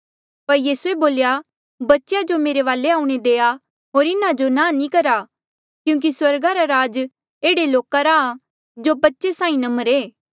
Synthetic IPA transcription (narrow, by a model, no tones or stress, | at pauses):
pɐɾjiːsueboːlja | bɐtːʃjad͡ʒomeːɾeʋaːleaːũɽ̃ed̪eːa | ɦoːɾɪnad͡ʒonãːnĩkɐɾa | kjũːk̬iswɐɾɡaɾaɾaːd͡ʒ | eːɽeloːkaɾa | d͡ʒobɐtːʃesãːĩnɐməɾeː